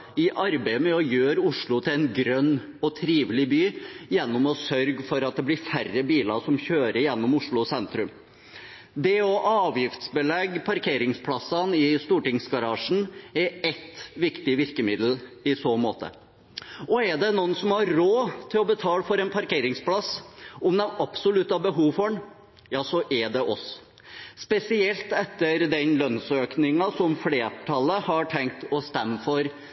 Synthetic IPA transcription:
ɪʔɑɾbæɪmɛɔjøːɾʊʂɭʊt̪ʰɪlɛɪnɡɾœnː | ɔt̪ʰɾiːʋlɪbyːjɛnːɔmɔsœɾɡfɔɾɑt̪̚d̪ɛblɪɾfærəbiːlɑʂɔmçøːɾəɾjɛnːɔmʊʂɭʊsɛnt̪ɾʉm | d̪ɛɔʔɑːʋjɪft̪sbəlɛɡːpʰɑɾkʰeːɾɪŋspʰlɑsːɑnɪst̪uːʈɪŋsɡɑɾɑːʂn̩ɛɾɛt̪ʋɪkt̪ɪʋɪɾkəmɪd̪l̩ɪsoːmoːt̪ʰə̰ | ɔɛɖɛnuːnsɔmhɑɾɾoːt̪ʰɪlɔbət̪ʰɑːlfɔɾɛnpʰɑɾkeːɾɪŋspʰlɑsɔmd̪ɛʔɑpsɔlʉt̪ːɑbəɦuːʋfɔɳ | jɑːsɔʔɛɖɛʔɔs | spɛsɪɛlt̪ɛt̪ːəɾd̪ɛnlœnsøːknɪŋɑsɔmfleːʈʰɑlːəhɑʈʰɛŋk̚t̪ɔst̪ɛmːəfɔɾ

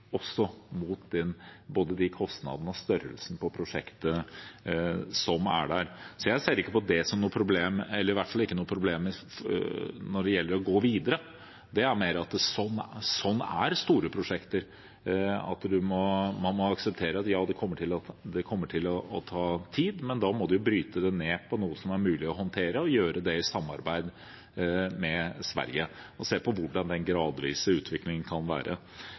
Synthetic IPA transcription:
ɔsːɔmut̪d̪ɛnboːd̪əd̪ɪkʰɔst̪nɑ̰d̪ənəɔst̪œɾə̰lsnəpʰɔpʰɾʊʂɛ̰kt̪ə | sɔmæ̰ɖæɾsɔjæɪseːəɾɪkːəpɔd̪ɛsɔmnuːəpʰɾʊbleːmɛlːəɾɪʋæʈːfɑlːɪkːənuːəpʰɾʊbleːm | nɔɖɛjɛlːəɾɔɡoːʋiːd̪əɾə | d̪ɛæɾmeːɾɑt̪sɔnːsɔnːæ̰ɾst̪uːɾəpʰɾʊʂɛkt̪əɾ | ɑ̰t̪d̪ʉmɔmɑnmɔɑksəp̚t̪ʰeːɾəɑt̪jɑːd̪ɛkʰɔmːəʈʰɪlɑd̪ɛkʰɔmːəʈʰɪlɔːt̪ʰɑːt̪ʰiːd̪mɛnd̪ɑːmɔd̪ʉjʊbɾyːt̪əd̪ɛneːpʰɔnuːəsɔmæɾmʉːlɪɔɦɔnt̪ʰeːɾəɔjøːɾəd̪ɛɪsɑmːɑ̰ɾbæɪd̪ | mɛsʋæ̰ɾjə | ɔseːpʰɔʋʊɖɑnd̪ɛnɡɾɑːd̪ʋḭːsəʉːt̪ʰʋɪklɪŋənkʰɑnʋæ̰ːɾʔə̰

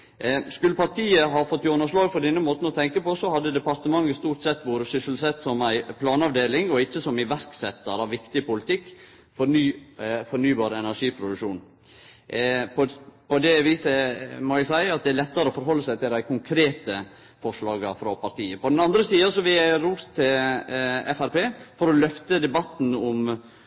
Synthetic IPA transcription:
skʉlːəpɑɾt̪iːəɦɑːfɔt̪ːjɔnəʂlɑːɡpɔɾd̪ɛnːəmoːt̪n̩ɔt̪ʰɛŋkəpɔsɔhɑd̪ːəd̪ɛpɑɾt̪əmɑŋːəst̪uːɾʈ̪sɛt̪ːʋoːɾəsʏsəl̩sɛt̪ːsɔmæɪpʰlɑːnɑʋd̪eːlɪŋɔɪçːəsɔmɪʋæɾksɛt̪ːəɾɑʋɪkt̪ɪpʊlɪt̪ʰɪkː | fɔɾnyːfɔɾnyːbɑːɾɛnæʂiːpʰɾʊd̪ʉkʂuːn | pɔpʰɔd̪ɛʋiːsəmɔæɡsæɪɑt̪̚d̪ɛæɾlɛt̪ːəɾəɔfɔɾɦɔlːəsæɪt̪ʰɪld̪æɪkʰʊŋkʰɾeːt̪ə | fɔʂɭɑːɡɑfɾɑpʰɑɾt̪ʰiːəpɔd̪ɛnɑnd̪ɾəsiːɑsɔʋɪæɾuːst̪ʰːɪl | ɛfæɾpeːfɔɾɔlœft̪əd̪ɛbɑt̪n̩ɔm

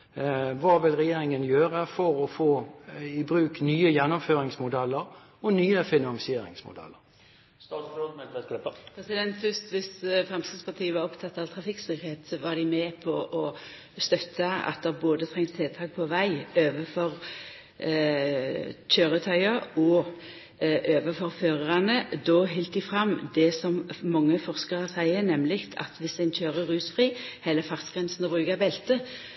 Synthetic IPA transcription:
ʋɑːʋɪlʁɛjeːɾɪŋənjøːɾəfɔɾɔfoːɪbɾʉːknyːəjɛnːɔmføːɾɪŋsmʊd̪ɛlːəɾ | ɔnyːəfɪnɑnsɪeːɾɪ̰ŋsmʊ̰d̪ɛ̰lːəɾ | sɛklɪəpʰɾɛsɪd̪ɛnt̪fʏst̪ʋɪsfʁɛmsɪspʰɑt̪ʰiːəʋɑɾɔpt̪ʰɑt̪ːɑʋt̪ʰʁɑfɪksɪkheːt̪sɔʋɑd̪ɪmepʰɔʔɔ | st̪œt̪ʰːəɑ̰t̪̚d̪ɛboːd̪ət̪ʰʁɛŋst̪ʰeːlt̪ʰɑːk̚pʰɔʋæɪøːʋəfɔʁ | ɕøːɾət̪ʰœʏɑɔ | ʔøːʋəfɔɾføːʁəʁɑnəd̪ɔːɦɪlt̪̚d̪ɪfʁɑmːd̪ɛsɔmmɑŋːəfɔʁskəʁəsæɪənɛmlɪkt̪ʰɑ̰t̪ʋɪsæɪnçøːɾəʁʉːsfʁiːhɛlːəfɑʁsɡ̥ʁɛnsnɔbʁʉːɡɑbɛlt̪ə

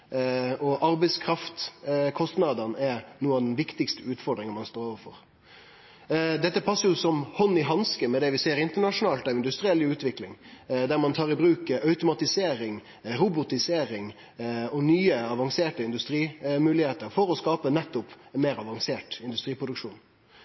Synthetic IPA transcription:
ʔɔʔɑɾbɛɪskʰɾɑft̪kʰɔst̪nɑd̪ənɛnuːɑd̪ɛn̩ʋɪkt̪ɪkst̪əʉːt̪fɔd̪ɾɪŋəmɑnst̪oːɾoːʋəɾfɔ̰ɾ | d̪ɛt̪ːəpʰɑsːəɾjʊsɔmhɔnːɪɦɑnskəmɛd̪ɛʋɪseːəɾɪnt̪əɳɑʂʊnɑːlt̪æɪnd̪ʉst̪ɾɪɛlːɪʉːt̪ʋɪklɪ̰ŋd̪æɾmɑnt̪ʰɑːʁɪbɾʉːkəʔœʉt̪ʊmɑt̪ɪseːɾɪŋ | ɾʊbʊt̪ɪseːɾɪŋ | ɔnyːəɑʋɑŋseːʈəɪnd̪ʉst̪ɾiːmʉːlɪheːt̪əɾfɔɾɔskɑːpənɛt̪ːʊpmeːɾɑʋɑŋseːʈɪnd̪ʉst̪ɾiːpʰɾʊd̪ʉkʂuːn

